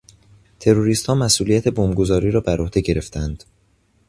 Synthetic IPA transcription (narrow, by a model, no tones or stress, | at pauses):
t̪ʰe̞ɾoɾiːst̪hɒːmæsʔuːlijæt̪ʰe̞boːmɡo̞zɒːɾiːɾɒːbæɾʔohd̪e̞ɟe̞ɾe̞ft̪ʰænd̪̥